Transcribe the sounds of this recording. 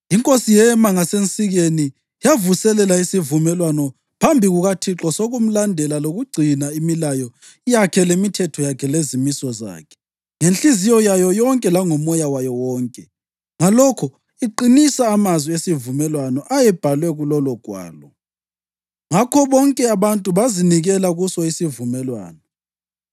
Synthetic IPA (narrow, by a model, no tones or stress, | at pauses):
iŋkʼosijɛmaŋasent͡sʼiɣeni | javusɛlɛlaisivumɛlwanɔ | pʰambʱiɣuɣatʰiǁɔsoɣum̩landʱɛlaloɣuɡ͡ǀʱinaimilajɔ | jakʰɛlemitʰɛtʰɔjakʰɛlezimisɔza̰ːkʰɛ̥ | ŋenɬizijɔjajɔjɔŋkʼɛlaŋɔmɔjawajɔwɔːŋkʼɛ | ŋalɔkʰɔ | iǃinisaːmazwiesivumɛlwanɔʔajɛb̥ʱalwɛɣulɔlɔɡ̥ʱwa̰ːlɔ | ŋakʰɔβɔŋkʼɛaβantʼuβaziniɣɛlaɣusɔisivumɛlwa̰ːnɔ